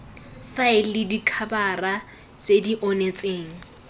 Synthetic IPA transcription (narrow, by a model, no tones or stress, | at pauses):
faɪlɪdikʰabara | t͡sediʔɔnet͡sʼeːŋ̩